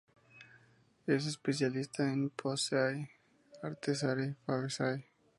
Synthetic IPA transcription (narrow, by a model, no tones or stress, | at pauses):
es̬espesjalist̪aẽnpʰoseaj | aɾt̪es̬aɾifaβesaj